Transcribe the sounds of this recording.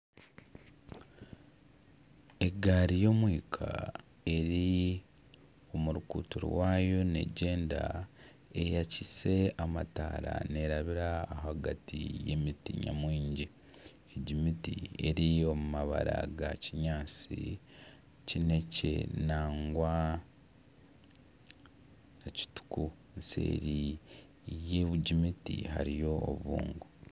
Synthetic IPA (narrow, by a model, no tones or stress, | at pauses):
e̞ɡaɾijo̞mwiːkʰa̰ | e̞ɾi | o̞muɾukṵːtuɾ̰waːjo̞ne̞̰ɟe̞ːnda̰ | e̞jacise̞amata̰ːɾa̰ne̞ɾaβiɾaːɦaɡatije̞̰mitḭɲa̰mwiːɲɟi | eɟimitie̞ɾio̞mumaβaɾaɡaciɲaːt͡si | cine̞ce̞̰naːŋɡwa | naci̥tu̥ku | nse̞̰ːɾi | je̞βuɟimitihaɾijo̞ːβuːŋɡu